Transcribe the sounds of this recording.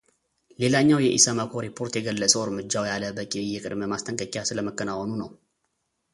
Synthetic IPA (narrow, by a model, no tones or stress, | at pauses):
le̞laɲːawjɛʔḭsəməkʰoɾipʰo̞ɾt̪jɛɡəlːəsʼəwɨɾmɨd͡ʒːawjaləbəkʼijɛkʼɨ̰d̪məmast̪ʰəŋkʼəkʼjasɨləməkːənawɔnunəw